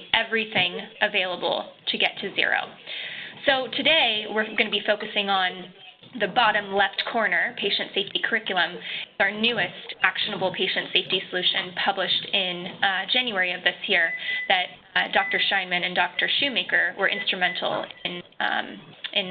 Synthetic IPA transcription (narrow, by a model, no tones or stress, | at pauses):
ʔɛvɹiθɪ̃ŋʔɨveɪlˠəbl̩ˠtʰɨɡɛtʰɨzɪ̰ɹo̰ʊsoʊtʰɨdeɪwɪɹɡʌnɨbifoʊkɨsɪ̃ŋə̃n | ðɨbɑɾɨ̃mlɛftkʰɔɹnə˞pʰeɪʃɨ̃ntseɪftikʰə˞ɪkjl̩ˠə̃mzaə˞nʉɨstʔækʃɨnəbl̩ˠpʰeɪʃɨ̃ntseɪftisəlʉʃɨ̃npʰʌbləʃtɪ̃nd͡ʒæ̃njʉɛɹiʌvðɪsjiɹðɨt̚ | d̥ɔk̚tə˞ʃãɪ̃nmɨ̃nɨ̃ndɔk̚tə˞ʃʉmeɪkə˞wə˞ʔɪ̰̃nstɹ̥ɨmɛ̃ntʰˡl̩ˠɪ̃n | ʔɪ̃n